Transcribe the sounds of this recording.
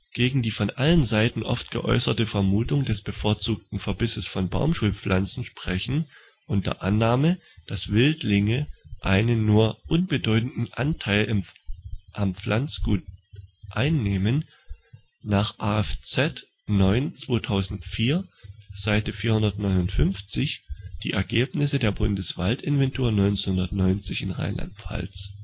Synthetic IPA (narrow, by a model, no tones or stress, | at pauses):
ɡ̥eːɡŋ̩diːfɔnʔalənzaɪtn̩ʔɔ̰ftɡ̥ə̰ʔɔ̰ʏsɐtəfɛɐmuːtʊŋdɛsb̥əfoːɐt͡suːk̚tn̩fɛɐbɪsəsfɔnba̰ʊmʃuːlp͡flʔant͡sn̩ʃpʁ̥ɛçn̩ | ʔʊntd̥ɐ̰ɐʔanːaːmə | d̥asv̥ɪltlɪŋəʔaɪnənːuːɐʔʊnbədɔʏtn̩dn̩ʔa̰ntʰaɪlɪ | ʔamp͡flant͡sɡ̥uːt̚ʔaɪnːeːmən | naːχʔaːɛft͡sɛt | nɔʏnt͡sv̥oːtʰaʊzn̩tfiːɐz̥aɪtəfiːɐhʊndɐtnɔʏnʊntfʏnft͡sɪçd̥iːʔɛɐɡeːpnɪsədeːɐbʊndəsv̥altɪnvɛntʰoːɐnɔʏnt͡snhʊndɐtnɔʏnt͡sɪçɪnʁa̰ɪnla̰ntfa̰ls